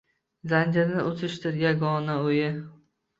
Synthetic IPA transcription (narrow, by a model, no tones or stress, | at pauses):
zand͡ʒɪɾnɪʔot̪ɪʃt̪ɪɾjaɡɒnaojɪ